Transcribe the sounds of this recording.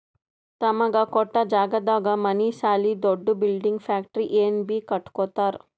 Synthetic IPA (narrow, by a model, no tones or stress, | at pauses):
t̪ɐmɐɡɐkɔʈːɐd͡ʒaːɡɐd̪aːɡɐmɐnisaːlid̪oɖːubilɖiŋɡfʰaːk̚ʈɾiʔeːnbikɐʈkoːt̪aːɾ